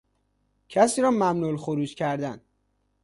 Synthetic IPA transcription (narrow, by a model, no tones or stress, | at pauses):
cʰæsiːɾɒːmæmnulxoɾuːd͡ʒcʰæɾd̪æn